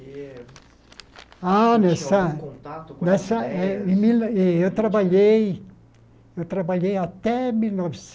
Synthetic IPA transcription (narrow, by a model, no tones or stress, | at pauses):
anɛsa | nɛsaimileot̪ɾabaʎej | jot̪ɾabaʎejat̪ɛmilnɔvs